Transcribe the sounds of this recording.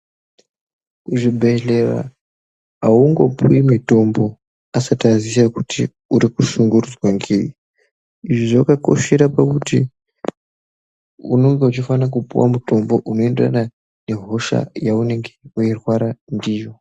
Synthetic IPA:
kuʐibʱe̞ɬe̞ra̰ | auŋɡo̞puimito̞mbo̞ | asatazisakutʰi | uɾikuʃuŋɡurud͡zwaŋɡei | iʐiʐakako̞̰ʃe̞ɾapakutḭ | uno̞ŋɡeut͡ʃifanak̬upṵwa̰muto̞mbo̞ʔuno̞endera̰na | ne̞ɦo̞ʃa̰jaune̞ŋɡe̞uirwaɾandiːjo̞

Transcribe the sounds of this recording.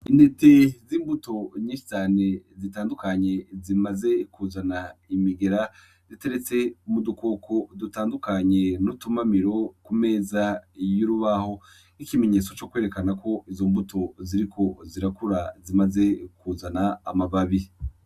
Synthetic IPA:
inde̞teziːmbuto̞ɲĩːʃi̥t͡ʃaːne̞zitaːndukaɲe̞zimaze̞kuzanaimiɡe̞ɾa | zite̞ɾe̞t͡se̞umuduko̞kʰo̞dutaːndukaɲe̞nutumamiɾo̞kume̞ːzajuɾuβaho̞ | ikime̞ɲe̞ːt͡so̞t͡ʃo̞kwe̞ːɾe̞kanako̞ʔizo̞mbutʰo̞ziɾikʰo̞ziɾakuɾazimaze̞kuzanaːmaβaβi

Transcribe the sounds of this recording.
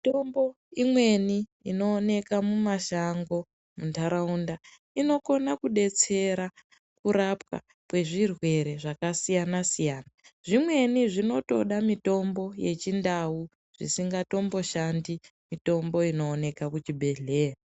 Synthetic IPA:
itombo | imwe̞niino̞ːne̞kamumaʃaŋɡo̞ | muntaɾaunda | ino̞ko̞nakuɗe̞t͡se̞ɾa | kuɾap̚ka̰ | kwe̞ʐirwe̞ɾe̞ʐakasijanasijaːnaʐimwe̞niʐino̞to̞̰ɗamito̞mbo̞je̞t͡ʃindawu | ʐ̥ḭsiŋɡato̞mbo̞ʃandimito̞mbo̞ino̞ːne̞kakut͡ʃibʱe̞ɮeːra

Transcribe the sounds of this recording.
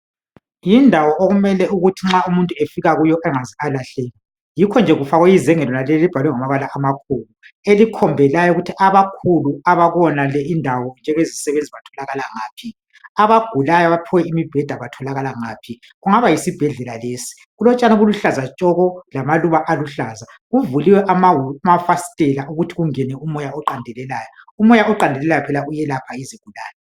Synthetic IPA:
jindʱawɔʔoɣumɛlɛuɣutʰiŋ͡ǁaumuntʼuefiɣaɣujɔʔɛŋazialaɬeːli | jikʰɔnd͡ʒʱɛɣufaɣwɛjizɛŋɛlɔnalɛɔlib̥ʱalwɛŋamaβalaʔamakʰuːlu | elikʰɔmbʱɛlajɔuɣutʰiʔaβakʰuluaβaɣɔnalɛindʱawɔnd͡ʒʱɛŋezisɛβend͡zʱiβatʰɔlaɣalaŋaːpʰi | aβaɡ̥ʱulajaβapʰɔwɛimib̥ʱɛd̥ʱaβatʰɔlaɣalaŋapʰi | ɣuŋaβajisib̥ʱɛɮɛlalesi̥ | ɣulɔt͡ʃʼanaɣuluɬazat͡ʃʼɔɣɔlamaluβaʔaluɬaza | ɣuvuliwɛʔamamafasi̥tʼɛlaʔuɣutʰiɣuŋɛnɛumɔjaɔǃandʱɛlɛlaːjɔumɔjaɔǃandʱɛlɛlajɔpʰɛlaujɛlapʰaiziɡ̥ʱulaːjɔ

